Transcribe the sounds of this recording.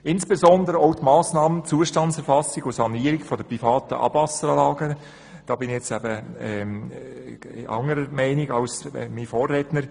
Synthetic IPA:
ɪnsb̥ezɔndəɾəɔʊtmɑːsnɑːmənt͡suːəʃtɑnt͡sɛɾfɑsiɡ̥ʊsɑniːəɾɪkfɔd̥əprifɑːtəʔɑ̰b̥vɑsəɾɑlɑːɡə | d̥ɑːbɪnɛt͡sæbəɛ | ɪ̰ʔɑ̰ŋəɾəmɛɪniɡɑlsmifoːrːɛːtnəɾ

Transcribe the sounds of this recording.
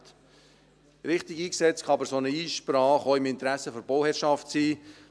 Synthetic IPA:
t̪ | ɾɪχt̪ɪɡiːksɛt͡skχɑɑbəɾsonəiːʃpɾɑːχɔʊɪmɪnt̪ɾæsəfɔɾbɔʊhɛɾʃɑftsiː

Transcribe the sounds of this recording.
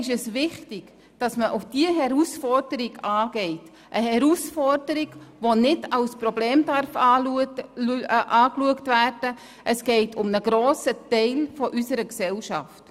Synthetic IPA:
ɪʃɛsvɪχtɪɡ̥ | d̥ɑsməʔʊfd̥iəɦɛɾusfɔrdəɾɪɡɑːɡ̥ɛɪt | ʔəhɛɾusfɔrdəɾɪɡʋonɪdɑlspɾɔbleːmdɑɾfɑ | ʔɑːkluəktvæːrd̥ə | ʔəsɡ̥ɛɪtʰʊmnəɡɾoːsətɛɪlfɔʔysəɾəksɛlʃɑ̰ft

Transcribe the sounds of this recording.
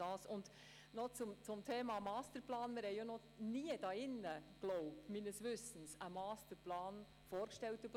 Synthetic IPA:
ɑːsʊnd̥̪ | nɔt͡sʊmt͡sʊmtʰeːmɑmɑːstəɾplɑːnmɪɾhɛɪonɔ | niːəd̥ɑːɪnːəɡ̥lɔʊp̚tminəsʋʏsən̩səmɑːstəɾplɑːn | foːɾkʃtɛlt̪əp

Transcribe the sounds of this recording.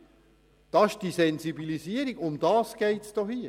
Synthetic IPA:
d̥ɑːɪʃd̥isɛnzibilisiəɾiɡʊmd̥ɑːsɡ̥ɛɪtsd̥ɔhiə

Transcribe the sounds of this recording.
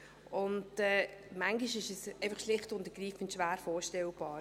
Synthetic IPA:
ʔʊntɛːmaŋɡiʃɪʃɛsɛɪfɐχʃlɪχtʊntəɡ̥riːfən̩tʃʋæːɾfɔːʃtɛlb̥ɑː

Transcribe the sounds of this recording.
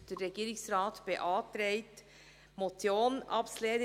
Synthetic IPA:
d̥ɛɾːɛɡiːɾɪŋsɾɑːtb̥eʔɑːt̪ɾeɪt | motjoːnʔɑ̰psleːn

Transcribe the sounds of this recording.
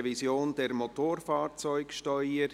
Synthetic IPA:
vizjoːnd̥ɛɾmotoːɾfɑːɾt͡sɔʏkʃtœʏə

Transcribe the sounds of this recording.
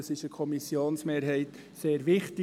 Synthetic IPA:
sɪʃəkʰɔmisjoːnsmeːɾɦɛɪt | seːɾʋɪχtɪ

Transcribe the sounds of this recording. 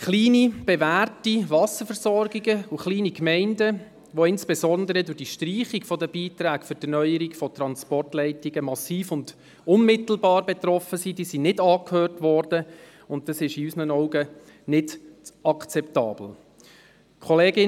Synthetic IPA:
χliːnib̥evæːrtiʋɑsəfəɾsɔɾɡiɡəuχliːnikmɛɪndə | ʋoɪnsb̥esɔnd̪əɾədʊrd̥iːʃtriːχikfɔdəb̥iːtɾæːkfʏɾd̥ənœʏəɾiɡfɔtɾɑnspɔrtlɛɪtɪɡəmɑsiːfʊnd | ʊnmɪtl̩bɑːrbɛtrɔfəsid̥iːsinɪdɑːkhøːrtʋɔrd̥ə | ʊntdɑsɪʃiysənənɔʊɡə | nɪdɑkt͡sɛptɑ̰ːb̥l̩ | kʰχɔleːɡɪ

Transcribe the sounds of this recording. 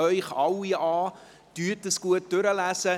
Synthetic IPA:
œʏχɑwiɑː | d̥ytəsɡ̥uət̚dʏɾəlæsə

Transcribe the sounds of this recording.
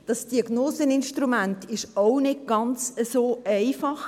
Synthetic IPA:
d̥ɑsd̥iɑɡnoːsənɪnʃtɾumæntʰɪʃoʊnɪd̚ɡ̥ɑnt͡səsoːɛɪfɑχ

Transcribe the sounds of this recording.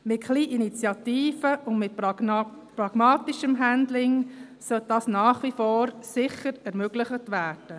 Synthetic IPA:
mɪtχliːʔinit͡sjɑtiːfəʊndmɪt | pɾɑɡ̥mɑːtiʃəmɦændlɪŋ | sœltd̥ɑːsnɑːχʋifoːɾsɪχəɾɛɾmøɡ̥lɪχətʋæːɾd̥ə

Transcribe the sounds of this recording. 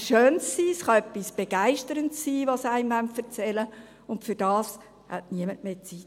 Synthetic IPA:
ʃøːnssiːsχɑœpːisb̥eɡ̥æɪʃtəɾəntsːiːʋɑsæɪmvæntfəɾt͡sɛlə | ʊntfʏɾd̥ɑːs | hæ̰tniəmətmeːt͡sit

